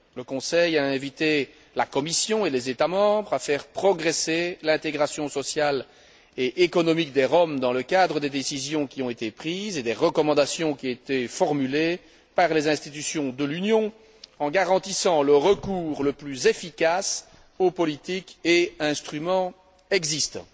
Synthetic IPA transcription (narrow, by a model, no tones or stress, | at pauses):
ləkɔ̃sɛjaɛ̃vit̪e | lakɔmisjɔ̃elɛzet̪amɑ̃bʁafɛʁpχɔɡʁeselɛ̃t̪eɡʁasjɔ̃sɔsjal | eʔekɔnɔmik̚d̪eʁɔmd̪ɑ̃ləkad̪ʁəd̪ed̪esizjɔ̃kʲiɔ̃et̪epχiːzed̪eʁəkɔmɑ̃d̪asjɔ̃kʲiet̪efɔʁmyle | paʁlezɛ̃st̪it̪ysjɔ̃d̪əlynjɔ̃ | ɑ̃ɡaʁɑ̃t̪isɑ̃ləʁəkuːʁləplyzefikas | opɔlit̪ikeɛ̃st̪χymɑ̃ | ɛɡzist̪ɑ̰̃